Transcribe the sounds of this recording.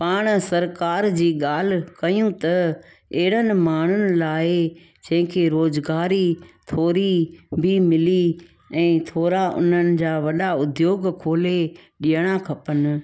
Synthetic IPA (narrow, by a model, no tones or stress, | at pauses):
paːɽ̃sɐɾkaːɾd͡ʑiːɠaːl̤̆kɐjũt̪ɐ | eɦɪɽ̤ənɪ̆maːɳ̤ʊnɪ̆laːɪ | d͡ʑɐ̃ɦɪ̃kʰeːɾoːzɡaːɾit̪ʰoːɾibʱimɪli | ɛ̃ːt̪ʰoːɾaʔʊ̰n̤ənɪ̆d͡ʑaːʋɐɗaʊd̪joːɡkʰoːleɗiəɽ̃akʰɐpənɪ̆